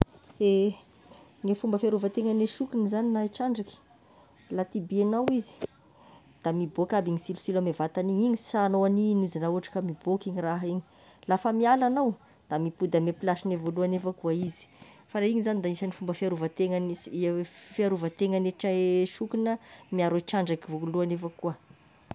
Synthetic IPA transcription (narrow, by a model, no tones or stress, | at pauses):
e | ŋefumbəfiaɾuvət̪eŋaneʃukinəzaninaiʈ͡ʂaɳɖ͡ʐaki̥ | lat̪ibienawizi̥ | d̪̥amibokabiŋisilusilamevat̪aniɲiɲi̥sanoaninuzanauaʈ͡ʂḁkəmibokiɲiraɦiɲi̥ | lafəmialanaw | d̪̥amipud̪əmepilaʃinevoluanefəkuaizi̥ | faɾaiɲizanid̪aisanifumbəfiaɾuvət̪eŋan | fiaɾuvət̪eŋaneʈ͡ʂaeʃukinəmiaɾoiʈ͡ʂaɳɖ͡ʐakivoluanefakuə